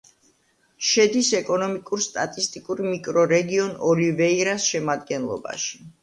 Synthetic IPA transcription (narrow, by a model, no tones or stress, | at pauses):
ʃɛd̪isɛkʼɔnɔmikʼuɾst̪ʼat̪ʼist̪ʼikʼuɾmikʼɾɔɾɛɡiɔnɔlivɛiɾasʃɛmad̪ɡɛnlˠɔ̰ba̰ʃi̥